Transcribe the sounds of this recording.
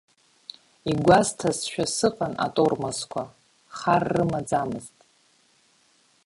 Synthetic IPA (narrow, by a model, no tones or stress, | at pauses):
iɡʷaztʰasʃᶣasɨqʼana̰tʼormaskʷʰa | χarːɨmad͡zamɨztʼ